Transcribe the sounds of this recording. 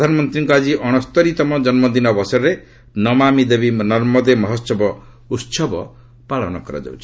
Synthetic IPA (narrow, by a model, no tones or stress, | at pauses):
pd̪ʱanɔmɔnt̪ɾiŋkɔad͡ʒiʔɔɽ̃ɔst̪ɔɾit̪ɔmɔd͡ʒɔnmɔd̪inɔbɔsɔɾɾe | nɔmamid̪ebinɔɾmɔd̪emɔɦɔt̪sɔbɔ | ut̪sɔbɔ | paɭɔnɔkɔɾa̰d͡ʒa̰wt͡ʃʰi̥